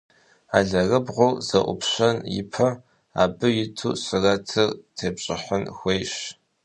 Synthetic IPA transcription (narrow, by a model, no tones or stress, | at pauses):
aːɮɐrɨbʁʷʊwz̥ɐʔʷʊ̰pɕɐnjɪ̰pʰɐ | a̰ːbɨjɪtʰṵːɕɪrɐtʰɨrtʰeːbɕʼɪ̰ħənxʷeːjɕ